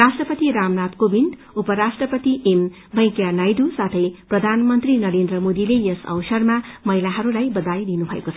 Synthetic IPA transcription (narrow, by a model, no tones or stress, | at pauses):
rasʈrʌpʌt̪iɾamnat̪kobind̪ | upʌɾasʈrʌpʌt̪iʔem | bʱʌ̃j̃kjanajɖusat̪ʰʌjprʌd̪ʱanmʌnt̪rinʌɾend̪rʌmod̪ilejʌsʌ̰wsʌrmamʌɦilaɦʌɾulajbʌd̪ajd̪inubʱʌḛkot͡sʰ